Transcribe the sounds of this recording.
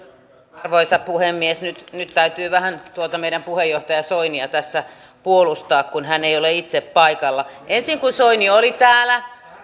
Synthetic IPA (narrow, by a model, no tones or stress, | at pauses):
rʋoisɑppuhemːiesnyt̪nyt̪t̪æyt̪yːʋæhænt̪uot̪ɑmeiɾæmpuhejjoht̪ɑjɑsoiniɑt̪æsːæ | puolust̪ɑːkkunhæneioleit̪seppɑikɑlːɑʔensiŋkunsoiniolit̪æːlæ